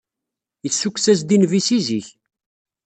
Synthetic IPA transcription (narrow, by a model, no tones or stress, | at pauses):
jəsukʷːsæs̬d̪invisiziç